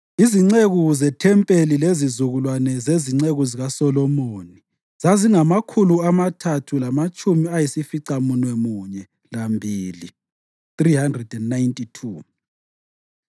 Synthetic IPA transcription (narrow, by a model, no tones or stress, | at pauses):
iziŋ͡ǀeɣuzɛtʰɛmpʼelilezizuɣulwanɛzeziŋ͡ǀeɣuziɣasɔlɔmoːni | zaziŋamakʰuluamatʰatʰulamat͡ʃʼumiajisifiǀamunwɛmuɲɛ | lambʱiːlḭ | θrihandrɛdɛnːajntʼitʰu